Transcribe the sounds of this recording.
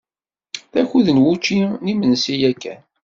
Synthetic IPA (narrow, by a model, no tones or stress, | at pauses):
θæçuðənwut͡ʃːinimənsijækːæ̰n